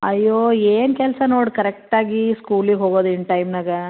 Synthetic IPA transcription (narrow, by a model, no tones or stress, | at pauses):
ɐjːoːeːnkɛlsɐnoːɽkɐɾek̚ʈaːɡiskuːliɡɦoːɡoːd̪uiɳʈɐjmnaːɡɐ